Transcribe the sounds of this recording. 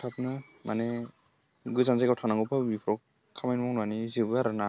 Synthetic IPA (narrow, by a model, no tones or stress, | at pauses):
tʰapnamanɛ | ɡuzanzajkawtʰanaŋɡɔpʰabipʰɾɔ | kʰːamajnmɔŋnanizibɯaɾɯna